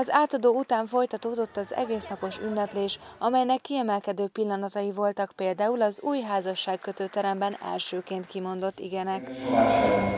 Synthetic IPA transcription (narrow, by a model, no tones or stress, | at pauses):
ɒzaːt̪ɒd̪oːut̪aːɱfo̞jt̪ɒt̪oːd̪o̞t̪ːɒzɛ̰ɡeːsnɒpo̞ʃynːɛpleːʃɒmɛjnɛkːiɛmɛlkɛd̪øːpilːɒnɒt̪ɒjivo̞lt̪ɒkpeːld̪aːulɒzuːjɦaːzɒʃːaːkkø̞t̪øːt̪ɛɾɛmbɛnɛ̰lʃøːkeːnt̪kimo̞nd̪o̞t̪ːḭɡɛnɛk